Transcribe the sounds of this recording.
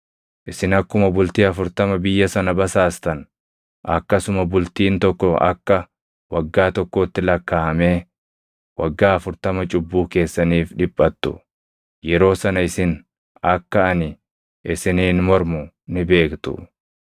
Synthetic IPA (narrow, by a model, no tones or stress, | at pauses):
ʔɪsɪnɐkːʊmɐbʊlt̪iːɐfʊɾt̪ɐmɐbɪjːɐsɐnɐbɐsaːst̪ɐn | ɐkːɐsʊmɐbʊlt̪iːnt̪ɔkːɔɐ̰kːɐ | wɐɡːaːt̪ɔkːo̞ːt̪ːɪlɐkːaːhɐme̞ː | wɐɡːaːɐfʊɾt̪ɐmɐt͡ʃʼʊbːuːke̞ːsːɐniːfᶑɪpʼːɐt̪ːʊ̰ | jɛɾo̞ːsɐnɐɪsɪn | ɐkːɐɐnɪ | ʔɪsɪniːnmɔɾmʊ | nɪbe̞ːkt̪ʊ̰